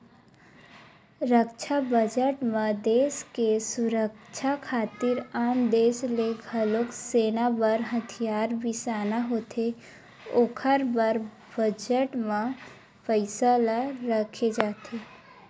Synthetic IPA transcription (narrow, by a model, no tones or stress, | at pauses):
ɾəkt͡ʃʰabəd͡ʒəʈmẽd̪eːskesʊɾəkt͡ʃʰakʰaːt̪ɪɾaːmd̪eːʃleɡʱəlokseːnabəɾɦət̪ʰijaːɾbʱisaːnaɦoːt̪ʰe | oːkʰəɾbəɾ | bəd͡ʒəʈmẽ | pəɪsalaɾəkʰed͡ʒaːt̪ʰeː